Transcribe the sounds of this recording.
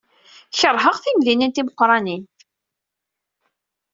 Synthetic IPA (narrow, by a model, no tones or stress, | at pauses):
çəɾˤɦəʁθimðinənt̪iməqːɾˤɑnin